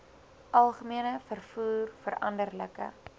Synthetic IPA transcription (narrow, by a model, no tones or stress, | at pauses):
ʔɐlˠχəmiənəfərfuːrfəɾɐ̰ndərləkə̰